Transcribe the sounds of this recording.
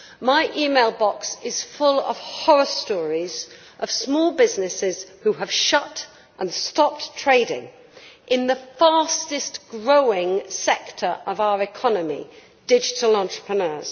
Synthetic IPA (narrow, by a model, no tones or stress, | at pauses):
maɪʔiːmeɪlˠbɒksɪz̥fʊlˠə̰v̥hɒɹəstɔːɹiz̥ | ʔəv̥smɔːlˠbɪznɪsɪz̥huəv̥ʃʌt | ʔə̃nstɒp̚tʰɹ̥eɪɾɪ̰̃ŋ | ʔɪ̃nðəfɑˑstɪsɡ̥ɹoʊɪ̃ŋsɛktʰə˞ʔəvaʊəɹɨkʰɒnəmḭ | d̥ɪd͡ʒɪtəl̩ˠɑ̃ntɹ̥ə̥pʰɹ̥ənɜːz̥